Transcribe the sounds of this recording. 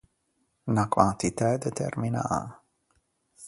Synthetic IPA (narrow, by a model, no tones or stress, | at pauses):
nakwa̰nt̪it̪ad̪et̪ɛ̰rmina̰